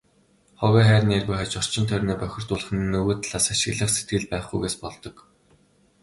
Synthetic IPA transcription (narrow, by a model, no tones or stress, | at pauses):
χɔwʲiːχæːrʲnerɣŭjχat͡ɕɔr̥t͡ɕɪ̆nt̪ʰœɾʲniːpœxʲɪ̆r̥t̪ʊːɮə̆χɘ̆nnːɵɣoːt̪ɮ̥aːsaʃɪ̆ɣɮə̆χset̪̚ɡɘ̆ɮpæːχɡujɣeːspɔɮt̪ɞ̆k